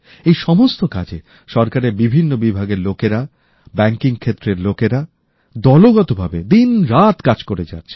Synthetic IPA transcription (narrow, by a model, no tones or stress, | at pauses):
ejʃɔmost̪oka̰d͡ʑe | ʃɔɾkaɾeɾbibʱinːobibʱaɡeɾlokeɾa | bɛŋkiŋkʰet̪ːɾeɾlokeɾa | d̪ɔloɡɔt̪obʱabed̪inɾat̪kad͡ʑkoɾed͡ʑa̰tːɕʰe̥